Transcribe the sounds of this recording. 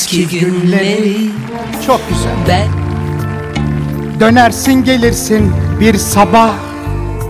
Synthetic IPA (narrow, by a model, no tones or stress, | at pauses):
iynle | t͡ʃʰok̚ɟyzæ̰lʲ | d̪ø̞næɾsinɟe̞lʲiɾsinbiɾsabah